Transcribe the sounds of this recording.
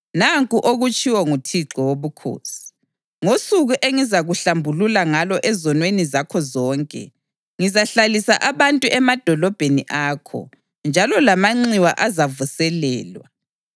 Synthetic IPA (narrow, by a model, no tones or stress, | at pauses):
naŋkʼuʔoɣut͡ʃʼiwɔŋutʰiǁɔwoβukʰo̰ːsi̥ | ŋosuɣuʔeŋizaɣuɬambʱululaŋalɔʔɛzɔnwenizakʰɔzɔːŋkʼɛ̰ | ŋizaɬalisa̰ʔaβantʼuʔɛmad̥ʱɔlɔb̥ʱeniʔaːkʰɔ̰ | nd͡ʒʱalɔlamaŋ͡ǀiwa̰ʔazavusɛlɛ̰ːlwa̰